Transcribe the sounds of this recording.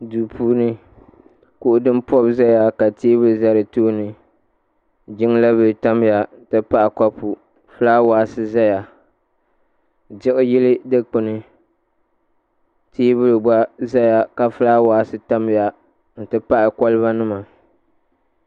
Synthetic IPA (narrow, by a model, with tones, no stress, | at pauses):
duː˨pʰuː˦nɨ˦ | kʊ˨ʔʊ˨dɨ˦m˦pɔ˦bza˦ja˨ka˨tiː˦bɨ˦ɾɨ˨za˦ɾɨ˨toː˦nɨ˨ | d͡ʒɪ˦ŋ˦la˦bɨ˨ta˦m˦ja˨n̩˨tɨ˦pa˦ʔɪ˨ka˦pu˨ | fɨ˦la˦waː˨˦sɨ˦za˦ja˨ | d͡ʒɪ˦ʔɨ˦jɪ˦lɨ˦dɨ˦k͡pɨ˨nɨ˨ | tiː˦bɨ˦ɾɨ˨ba˦za˦ja˨ka˨fɨ˦la˦waː˨˦sɨ˦ta˦m˦ja˨ | n̩˨tɨ˦pa˦ʔɪ˨kɔ˦lɨ˦βa˦nɨ˦ma˨